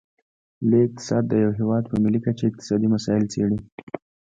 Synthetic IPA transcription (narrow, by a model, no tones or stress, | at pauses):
leɪq̚t̪ɪ̥sɑd̪̚ːəjawɦɪwɑd̪pəmilikat͡ʃeɪq̚t̪ɪ̥sɑd̪imasɑɪlt͡seɽi